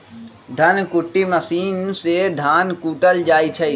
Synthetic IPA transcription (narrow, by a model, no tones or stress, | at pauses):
d̪ʱɐnkʊʈːiməsiːnsed̪ʱaːnkuːʈəld͡ʒaːit͡ʃʰɐi